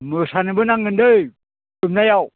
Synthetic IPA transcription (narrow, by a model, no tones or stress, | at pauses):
məsanibənaŋɡəndəj | umnajaw